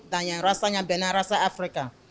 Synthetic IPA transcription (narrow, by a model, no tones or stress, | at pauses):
dãɲãɾasaɲãbɛnãɾasaːfɾika